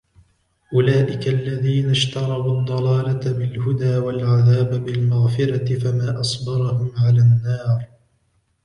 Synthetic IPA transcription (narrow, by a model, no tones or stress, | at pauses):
ʔʊlaːʔɪkalːaðiːnaʃt̪ɑɾˤɑbud̪ˤːɑlɑːlabɪlhʊd̪aːwalʕaðaːbbɪlmaɣfɪɾat̪ɪfamaːʔɑsˤbɑɾˤɑhʊmʕalaːnːɑːɾˤ